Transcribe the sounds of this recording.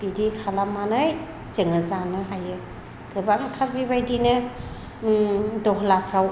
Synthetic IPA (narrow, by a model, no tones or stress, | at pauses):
b̥idikʰalamanɯj | t͡ʃɯŋɯzanɯɦajɯ | ɡɯbaŋtʰabiβajdinɯ | dɔɦlakʰɾaw